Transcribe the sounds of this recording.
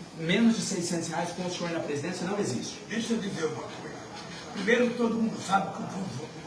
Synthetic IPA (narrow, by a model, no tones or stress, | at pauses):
mẽnʊzd͡ʒɪsejsẽnt̪ʊsheajzkõmʊsfõj̃nɐpɾezid̪ẽsjɐnɐ̃w̃ezḭʃt͡ʃʊ̥d̪eʃɐd̪izeɾvɔt̪uḛ | pɾimejɾʊt̪od̪umũnd̪ʊsabukũvozo